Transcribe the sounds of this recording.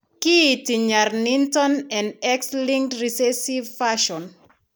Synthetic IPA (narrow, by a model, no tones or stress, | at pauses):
kitiɲaɾnĩntɔ̃nɛ̃nɛkslĩŋtɹisɛsivfaʃɔ̃n